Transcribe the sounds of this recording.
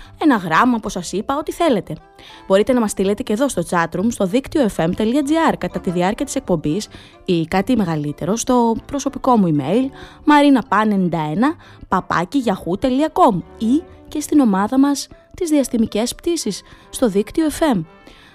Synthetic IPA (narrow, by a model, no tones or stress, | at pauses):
e̞nɐɣɾɐmɐpusɐsipɐo̞t̪iθe̞le̞t̪e̞ | b̥o̞ɾit̪e̞nɐmɐst̪ile̞t̪e̞ce̞ðo̞st̪ot͡sɐt̪ɾumst̪o̞ðikt̪io̞efe̞mt̪e̞liɐd͡ziɐɾkɐt̪ɐt̪iðiɐɾciɐt̪i̥se̞k̚po̞mbis | ikɐt̪ime̞ɣɐlit̪e̞ɾo̞st̪o̞pɾo̞so̞piko̞muime̞̰jl | mɐɾinɐpɐne̞nind̪ɐe̞nɐ | pɐpɐ̰ciʝɐxut̪e̞liɐko̞muice̞st̪ino̞mɐðɐmɐs | t̪izðiɐst̪imice̞spt̪isisːt̪o̞ðikt̪io̞efe̞m